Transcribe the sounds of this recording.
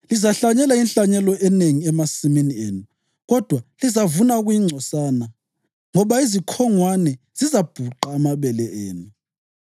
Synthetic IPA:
lizaɬaɲɛlainɬaɲɛlɔʔɛneŋiɛmasiminieːnu | ɣɔd̥ʱwalizavunaɣujiŋ͡ǀʱɔsana | ŋɔβaizikʰɔŋwanɛ | z̥izab̥ʱuǃaːmaβɛlɛʔeːnu

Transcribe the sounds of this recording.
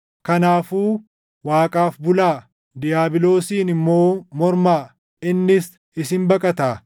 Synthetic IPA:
kɐnaːfuː | waːkʼaːfbʊlaː | d̪ɪjaːbɪlo̞ːsiːnɪmːo̞ːmɔɾmaː | ɪnːɪs | ɪsɪmbɐkʼɐt̪aː

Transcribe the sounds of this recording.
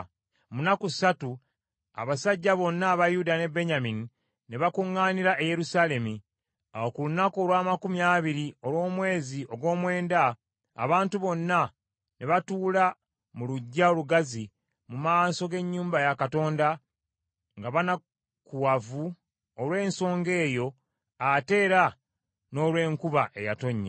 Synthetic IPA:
munakusatu | a̰βasaɟːaβo̞nːaːβajudane̞be̞ɲamini | neβakuŋːaːniɾaʔeje̞ɾusaːle̞mi | awokulunakoːlwaːmakumjaːβiɾio̞lwo̞ːmwe̞ːziʔo̞ɡwo̞ːmwe̞ːnda̰ː | βaːntuβo̞nːa | neβatuːla | muluɟːaoluɡazi | mumaːso̞ɡe̞ɲːuːmbajakato̞ːnda | ŋɡaβana | kuwavu | olwe̞ːnso̞ːŋɡe̞ːjo̞ | ate̞ːɾa | no̞ːlwe̞ːŋkuβaʔe̞jato̞ɲːe

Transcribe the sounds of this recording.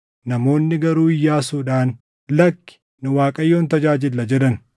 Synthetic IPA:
nɐmo̞ːnːɪɡɐɾuːɪjːaːsuːᶑaːn | lɐkːɪ̥ | nʊwaːkʼɐjːo̞ːnt̪ɐd͡ʒaːd͡ʒɪlːɐd͡ʒɛᶑɐn

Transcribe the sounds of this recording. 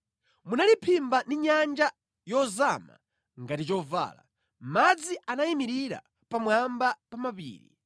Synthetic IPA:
munalipʰimbandiɲand͡ʒa | jɔzama̰ | ŋɡatit͡ʃɔva̰ːla̰ | mad͡ziʔanaimiɾiɾa̰ | pamwambapamapḭːɾḭ

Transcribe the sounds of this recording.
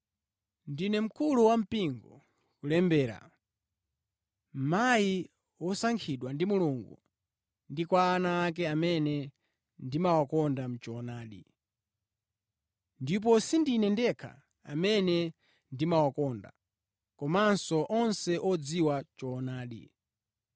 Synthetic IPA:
ndinɛm̩kuluwam̩piŋɡɔ | kulɛmbɛːɾa̰ | m̩maji | wɔsaŋkʰiɗwandimuluŋɡu | ndikwaːnaːk̬ɛamɛnɛ | ndimawakɔndam̩t͡ʃɔːnaːɗḭ | ndip̬ɔsindinɛndɛkʰa̰ | amɛnɛ | ndimawakɔnda̰ | kɔmansɔʔɔnsɛʔɔd͡ziwat͡ʃɔːnaːɗḭ

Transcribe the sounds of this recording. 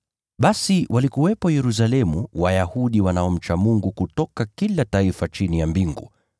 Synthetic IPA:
ɓasiwʔalikuwɛpɔjɛɾus̬alɛmuwajahuɗiwanaɔm̩t͡ʃamuŋɡukutɔkakilataifat͡ʃinijambiŋɡṵ

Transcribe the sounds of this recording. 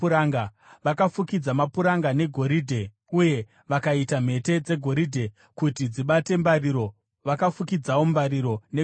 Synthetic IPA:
uɾaŋɡa | ʋakafukid͡zamapuɾaŋɡane̞ɡʱo̞ɾidʱe̞ | uje̞ | ʋakaitam̤e̞te̞d͡ze̞ɡʱo̞ɾidʱe̞ | kutid͡ziɓate̞mbaɾiɾo̞ | ʋakafukid͡zawo̞mbaɾiɾo̞ne

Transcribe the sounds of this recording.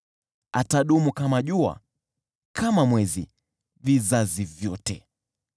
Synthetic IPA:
ataɗumukamaʄua̰ | kʰamamwɛzi | vizazivjɔtɛ

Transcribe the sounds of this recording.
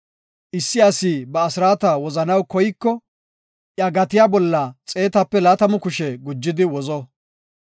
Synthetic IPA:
ʔɪsːɪɐsiːbɐːsɪɾaːt̪ɐwɔzɐnɐwkɔjkːɔ | ʔjɐɡɐt̪ɪjaːbɔlːɐt͡sʼe̞ːt̪ɐpːɛlaːt̪ɐmʊkʊʃɛɡʊd͡ʒːɪd̪ɪwɔzɔ

